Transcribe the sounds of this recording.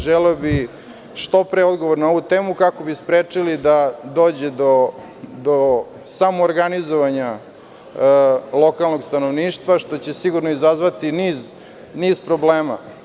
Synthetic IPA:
ʒeleobi | ʃt̪opɾeod̪ɡo̞ʋoɾno̞ʋut̪e̞ːmukako̞bispɾeːt͡ʂilid̪ad̪o̞ːd͡ʑed̪o̞ | d̪o | samoːɾɡanizoʋaɲa | lˠo̞kalˠno̞ɡst̪ano̞ʋniːʃt̪ʋaʃt̪o̞t͡ɕe̞siɡuɾnoizazʋat̪iniːz | niːzpɾo̞bleːma̰

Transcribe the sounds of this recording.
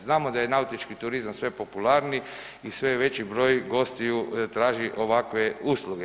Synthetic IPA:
znaːmo̞d̪ajenaut̪it͡ʃkit̪uɾizamsʋe̞po̞pulaːɾni | isʋeʋe̞t͡ɕibɾo̞ːjɡo̞st̪ijut̪ɾaːʒiʔo̞ʋakʋe̞uːslˠuɡe

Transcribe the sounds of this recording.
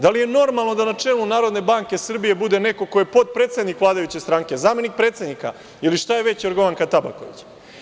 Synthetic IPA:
d̪alije̞no̞ɾmalˠno̞d̪anat͡ʂe̞lunaːɾo̞d̪ne̞baŋke̞sr̩bije̞bud̪e̞ne̞ko̞ko̞jepo̞t̪̚pɾet̪se̞d̪nikʋlaːd̪ajut͡ɕest̪ɾaːŋke̞zaːme̞nik̚pɾe̞ːt̪se̞d̪nika̰ | iliʃt̪aje̞ʋe̞t͡ɕoɾɡo̞ʋaŋkat̪aba̰ko̞̰ʋḭt͡ɕ

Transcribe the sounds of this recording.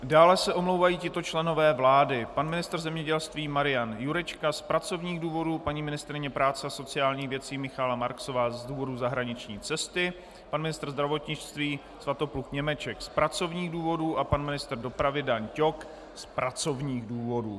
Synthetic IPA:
daːlɛsɛʔo̞mlo̞wvajiːcɪt̪o̞t͡ʃlɛno̞vɛːvlaːdɪpanmɪnɪst̪r̩zɛmɲɛɟɛlst̪viːmaɾɪjanjuɾɛt͡ʃkaspɾat͡so̞vɲiːɣduːvo̞duːpaɲiːmɪnɪst̪ɾɪɲɛpɾaːt͡sɛaso̞t͡sɪjaːlɲiːɣvjɛt͡siːmɪxaːlamaɾkso̞vaːzduːvo̞duzaɦɾaɲɪt͡ʃɲiːt͡sɛst̪ɪ | panmɪnɪst̪rzd̪ɾavo̞t̪ɲɪt͡ʃt̪viː | svat̪o̞pluxɲɛmɛt͡ʃɛkspɾat͡so̞vɲiːɣduːvo̞duːʔapanmɪnɪst̪rdo̞pɾavɪdaɲco̞k | spɾat͡so̞vɲiːɣduːvo̞dṵː

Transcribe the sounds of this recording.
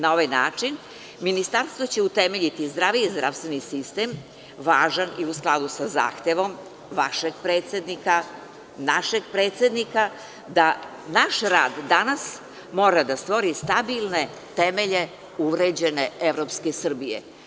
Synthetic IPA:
nao̞ʋajnaːt͡ʂin | minist̪aɾst̪ʋo̞t͡ɕe̞ut̪eme̞ʎit̪izd̪ɾaʋiizd̪ɾa̰ʋst̪ʋenisist̪e̞m | ʋaːʒaniusklˠad̪usaza̰ːxt̪eʋo̞m | ʋaʃeɡ̚pɾeːt̪sjed̪nika | naʃeɡ̚pɾe̞ːt̪sʲe̞d̪nika | d̪a | naʃɾa̰ːd̪ːanas | moːɾad̪ast̪ʋo̞ɾist̪abilˠne̞ | t̪emeʎe̞ | uʋɾed͡ʑe̞ne̞eʋɾopske̞sr̩bijḛ

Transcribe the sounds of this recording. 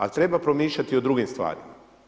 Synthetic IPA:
a̰lt̪ɾe̞bapɾomiːʃʎat̪iod̪ɾuɡimst̪ʋa̰ːɾḭma

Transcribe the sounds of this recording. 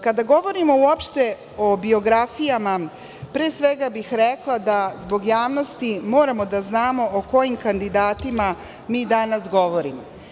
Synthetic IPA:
kad̪aɡo̞ʋo̞ɾimo̞uopʃt̪e̞ | o̞bio̞ɡɾafijama | pɾeːsʋe̞ɡabixɾeklˠad̪azbo̞ɡjaːʋno̞st̪imo̞ːɾamo̞d̪aznaːmo̞ʔoko̞jimkand̪id̪aːt̪ima | miːd̪anasɡo̞ʋo̞ɾimo

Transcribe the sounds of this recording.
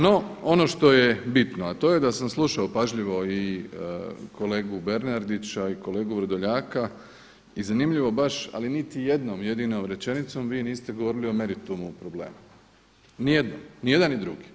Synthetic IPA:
no̞ono̞ʃt̪o̞jebit̪noat̪o̞ːjed̪asamslˠuʃaopaʒʎiʋo̞i | kʰo̞le̞ːɡube̞ɾnaɾd̪it͡ɕaiko̞le̞ːɡuʋɾod̪oʎaːka | izanimʎiʋo̞baʃa̰linit̪ije̞d̪nomje̞d̪inomɾe̞t͡ʃe̞nit̪so̞mʋiːniːst̪eɡo̞ʋo̞ɾilio̞me̞ɾit̪umuːpɾo̞ble̞̰ːmu | nije̞d̪nomnije̞d̪anid̪ɾuɡi̥

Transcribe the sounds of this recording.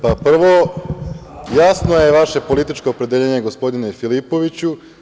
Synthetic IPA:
papr̩ʋo̞ | jasno̞je̞ʋaʃe̞po̞lit̪it͡ʃkoːpɾed̪eʎe̞ːɲe̞ɡo̞spo̞d̪ine̞filipo̞ʋit͡ɕu

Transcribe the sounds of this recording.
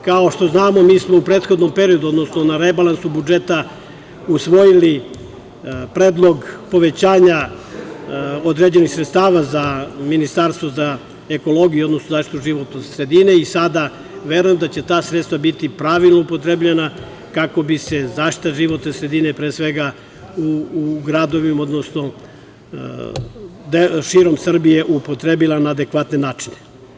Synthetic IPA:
kao̞ʃt̪o̞znaːmo̞miːsmoupɾeːt̪xod̪no̞mpe̞ɾijod̪uo̞d̪no̞sno̞naɾebalansubud͡ʒe̞t̪a | usʋo̞jili | pɾeːd̪lˠo̞ɡpo̞ʋe̞t͡ɕaːɲa | od̪ɾe̞d͡ʑe̞nixsɾet̪st̪aːʋazaminist̪aːɾst̪voza | e̞ko̞lˠo̞ɡijuod̪no̞snozaːʃt̪it̪uʒiʋo̞t̪nosɾe̞d̪ine̞isad̪a | ʋeɾujemd̪at͡ɕe̞t̪aːsɾet̪st̪ʋabit̪ipɾaːʋilˠnoupo̞t̪ɾebʎena | kako̞bise̞zaːʃt̪i̥t̪aʒiʋo̞t̪nesɾe̞d̪inepɾeːsʋe̞ɡa | uɡɾad̪o̞ʋimod̪nosno̞ | d̪eʃiɾo̞msr̩bije̞ʔupot̪ɾebilˠanaːd̪ekʋat̪ne̞naːt͡ʃine

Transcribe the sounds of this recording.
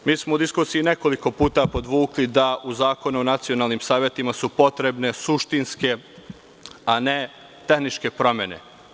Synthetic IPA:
miːsmoud̪iskuːsiːne̞ko̞liko̞puːt̪apo̞d̪ʋuːklid̪aʔuzaːko̞nuonat̪sio̞naːlˠniːmsaːʋjet̪imasupo̞t̪ɾe̞bne̞suʃt̪inske̞ | ane̞ | t̪e̞xnit͡ʃke̞pɾo̞mʲje̞ne̞̰

